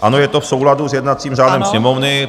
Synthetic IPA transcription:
ʔano̞jɛt̪o̞fsowladuzjɛdnat̪t͡siːmʒaːlɛmsɲɛmo̞vnɪ

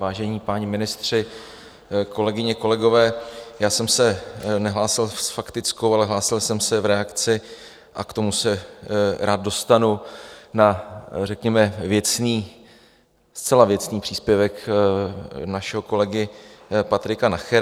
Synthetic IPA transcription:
vaːʒɛɲiːpaːɲɪmɪnɪst̪r̝̥ɪ | ko̞lɛɡɪɲɛko̞lɛɡo̞vɛːjaːsɛmsɛnɛɦlaːsɪlsfakt̪ɪt͡skowalɛɦlaːsɪlsɛmsɛvɾɛakt͡sɪ | ʔakt̪o̞musɛɾaːd̪̚do̞st̪anunarɛkɲɛmɛvjɛt͡sniː | st͡sɛlavjɛt͡sniːpr̥iːspjɛvɛk | naʃɛɦo̞ko̞lɛɡɪpat̪ɾɪkanaxɛɾ

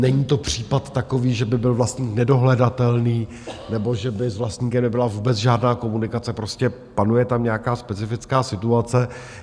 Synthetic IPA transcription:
nɛɲiːt̪o̞pr̝̥iːpat̪ːako̞viːʒɛbɪbɪlvlast̪ɲiːknɛdo̞ɦlɛdat̪ɛlniː | nɛbo̞ʒɛbɪzvlast̪ɲiːkɛmnɛbɪlavuːbɛt͡sʒaːdnaːko̞munɪkat͡sɛpɾo̞scɛ | panujɛt̪amɲɛakaːspɛt͡sɪfɪt͡skaːsɪt̪uat͡sɛ

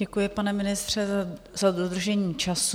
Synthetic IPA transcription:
ɛkujɪpanɛmɪnɪst̪r̝̥ɛ | z̥adod̪r̩ʒɛɲiːt͡ʃasu

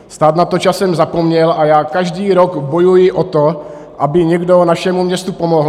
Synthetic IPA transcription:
st̪aːt̪nat̪ot͡ʃasɛmzapomɲɛlʔajaːkaʒdiːɾoɡbojujɪʔot̪o | ʔabɪɲɛɡdonaʃɛmumɲɛst̪upomoɦl

